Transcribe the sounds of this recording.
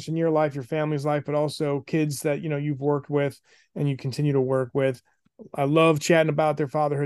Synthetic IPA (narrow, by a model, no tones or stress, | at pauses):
ʃɨ̃njə˞laɪfjə˞fæ̃mlizlaɪfb̥ʌɾɔlˠsoʊkʰɪdzðɨʔjɨnoʊjʉvwɜ˞k̚t̚wɪð | ɨ̃njɨkʰn̩tʰɪ̃njʉɾəwɜ˞kwɪð | ʔaɪlʌv̥t͡ʃʰæɾɪ̃ŋɨbaʊt̪̚ðə˞fɑðə˞hɨ